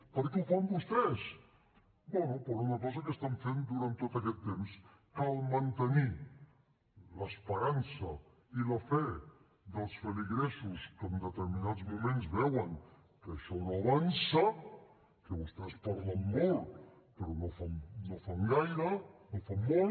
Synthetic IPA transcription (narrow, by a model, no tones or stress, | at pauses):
pəɾkeufambust̪ɛs | bwɛnupoɾunakɔzakəst̪aɱfend̪uɾant̪ːot̪akɛt̪ːemskalmant̪əni | ləspəɾansɐ | ilafɛ | ðəlˠsfəliɣɾɛsuskəmd̪ət̪əɾminad̪d͡zmumẽnzβɛwəŋ | kəʃɔnoaβansa | kəβust̪ɛspɔɾlamːol | pəɾɔnofamnofaŋɡajɾənofamːol